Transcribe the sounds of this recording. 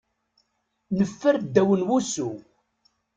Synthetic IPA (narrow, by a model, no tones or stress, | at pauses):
nəfːəɾd̪ːæwənwusu